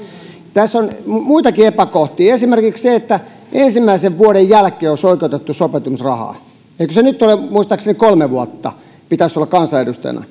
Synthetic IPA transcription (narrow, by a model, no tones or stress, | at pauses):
t̪æsːonmuit̪ɑkiepækoht̪iːesimerkiksseet̪ːæ | ʔensimːæiseʋʋuoɾejjælkˑeːosoikeut̪et̪ːusopet̪umisrɑhɑ̰ː | eikøsenyt̪ːolemuist̪ɑksenekolmeʋuɑt̪ːɑ̰ | pit̪æsolːɑkkɑnsɑeɾust̪ɑ̰jɑ̰nɑ̰